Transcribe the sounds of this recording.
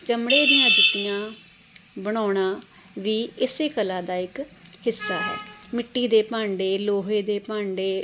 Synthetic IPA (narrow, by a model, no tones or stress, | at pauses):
t͡ʃəmɽeːd̪ɪjãːd͡ʒɪt̪ːɪjãː | bəɽ̃aːɽ̃ãːʋiːɪseːkəlãːd̪aːɪkhɪsːaːɦɛ̰ːmɪʈːiːd̪eːpãːɳɖeːloːɦeːd̪eːpãːɳɖeː